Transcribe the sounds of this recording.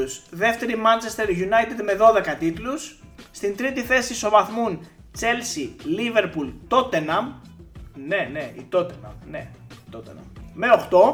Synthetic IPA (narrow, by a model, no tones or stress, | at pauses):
usðe̞ft̪e̞ɾimɐnt͡se̞st̪e̞ɾʝunɐjt̪ed̪me̞ðo̞ðe̞kɐt̪it̪lusːt̪int̪ɾit̪iθe̞siso̞vɐθmun | t͡se̞lsilive̞ɾpult̪o̞t̪enɐm | ne̞neḭt̪o̞t̪enɐ̰mne̞̰it̪ot̪ḛnɐ̰mme̞o̞xt̪o̞